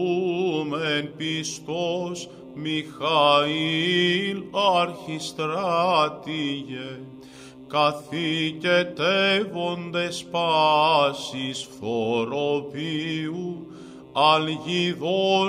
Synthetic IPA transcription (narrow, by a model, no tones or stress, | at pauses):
umenpist̪os | mixɐilɐɾçist̪ɾat̪iʝe | kɐθicet̪evo̞nd̪espɐsisθoɾoviu | ɐlʝiðo